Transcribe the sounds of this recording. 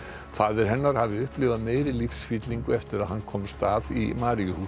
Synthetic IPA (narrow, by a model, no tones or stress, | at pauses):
faːðɪɾ̥ɦɛnːaɾ̥havɪʏhplɪvaðmeːjɾɪlifsfit̪liŋkʏɛft̪ɪɾaðhanːkʰɔmst̪aːðḭmaːɾɪjʏhu